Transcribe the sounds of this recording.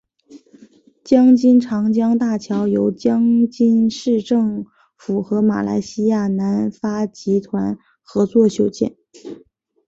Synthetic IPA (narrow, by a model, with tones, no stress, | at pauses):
t͡ɕjɑ˥ŋt͡ɕi˥nʈ͡ʂʰɑ˧˥ŋt͡ɕjɑ˥ŋt̪a˥˩t͡ɕʰjɑ˧˥ʊjo˧˥ʊt͡ɕjɑ˥ŋt͡ɕi˥nʂɻ̩˥˧ʈ͡ʂɤ˥˩ŋ | fu˨˩xɤ˧˥ma̰˨˩lʔa̰˧˥ɪɕi˥ja˥˩na˧˥nfa˥t͡ɕi˧˥t̪ʰwa˧˥n | xɤ˧˥t͡swɔ˥˩ɕjo˨˩ʊt͡ɕjɛ̰˥˩n